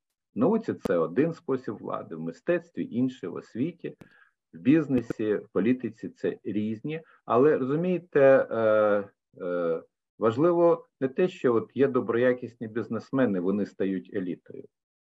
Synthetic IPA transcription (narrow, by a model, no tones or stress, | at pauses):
nɐut͡sʲit̪sɛɔd̪ɪnspɔsʲibʋlˠɑ̰d̪ɪwmɪst̪ɛt̪st̪ʋʲḭʔinʃɪjʋɔ̰sʲʋʲitʲi | wbʲiznesʲiwpɔlʲit̪ɪt͡sʲit̪sɛ̰ɾʲizʲnʲi | ɐ̰lˠɛɾɔzʊmʲijɪt̪ɛ | ʋɐʒlˠɪʋɔnɛt̪ɛʃt͡ʃɔɔt̪jɛd̪ɔbɾɔjakʲisʲnʲibʲiznesmɛnɪʋɔnɪst̪ɐjutʲelʲit̪ɔ̰jʊ̰